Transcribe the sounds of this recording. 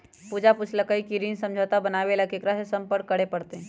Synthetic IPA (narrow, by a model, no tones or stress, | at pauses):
puːd͡ʒapʊt͡ʃʰləkəikiɾinsɐ̃md͡ʒʱat̪abənaːʋelakekɾasesɐ̃mpəɾkːəɽepɐɽt̪eɦɛ̃